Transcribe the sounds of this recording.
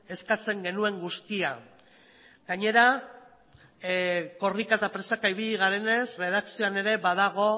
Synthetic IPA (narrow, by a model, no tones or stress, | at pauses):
e̞skat͡se̞ŋɡe̞nue̞ŋɡust̪ia | ɡaɲe̞ɾa | ko̞rikat̪apɾe̞sakaiβiʎiɣ̞aɾe̞ne̞sre̞ð̞aksioane̞ɾe̞βaðaɣ̞o̞